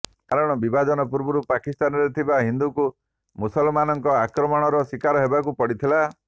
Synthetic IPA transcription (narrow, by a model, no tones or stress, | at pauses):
kaɾɔɽ̃ɔbibad͡ʒɔnɔpuɾbɔɾupakist̪anɔɾet̪ʰibaɦind̪uku | musɔlmanɔŋkɔakɾɔmɔɽ̃ɔɾɔsikaɾɔɦebakupɔɽit̪ʰila